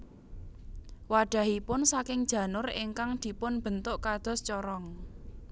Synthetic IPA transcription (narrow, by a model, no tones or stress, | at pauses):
waɖ̥a̤ɦipʊnsakɪŋd̥ʒ̥ä̤nʊɾɪ̰ŋkaŋd̪̥i̤pʊnb̥ənt̪ʊʔkad̪̥ɔ̤st͡ʃɔɾɔŋ